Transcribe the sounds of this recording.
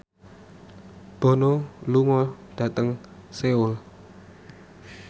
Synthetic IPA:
b̥o̤noluŋɔɖ̥a̤t̪əŋseʊl

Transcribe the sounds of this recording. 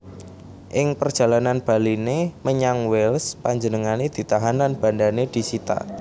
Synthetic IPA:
ʔɪŋpərd̥ʒ̥ä̤lananb̥a̤lineməɲaŋwɛlspaɲd͡ʒənəŋaned̪̥i̤t̪aɦanlanb̥a̤ndaned̪̥i̤sit̪a̰

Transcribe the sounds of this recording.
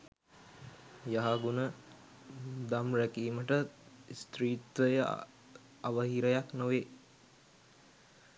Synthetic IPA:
jaɦaɡunə | d̪amrækiːməʈəst̪riːt̪ʋəjə | aʋəɦiɾəjaknoʋe

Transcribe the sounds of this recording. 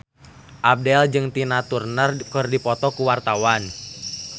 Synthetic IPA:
ʔab̚dɛld͡ʒɨŋt̪inat̪urnərkɨrdipɔt̪ɔkuwart̪awan

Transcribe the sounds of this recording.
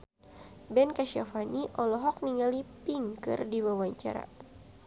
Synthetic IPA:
bɛnkaʃiafaniʔɔlɔɦɔk̚niŋalipiŋkɨ̰rdiwawaɲt͡ʃa̰ɾa̰

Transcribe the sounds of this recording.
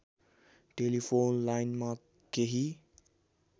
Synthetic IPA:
ʈelipʰonlajnma | keɦi

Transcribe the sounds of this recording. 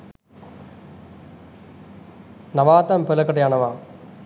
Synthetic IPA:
nɐʋaːt̪ɐmpɯlɐkːɐʈːɐjaːnɐʋaː

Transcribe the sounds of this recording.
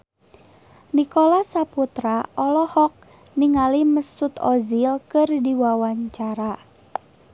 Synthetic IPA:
nikolasaput̪ɾaʔɔlɔhɔk̚ | niŋaliməsʊt̪ɔzilkərdiwawaɲt͡ʃaɾa

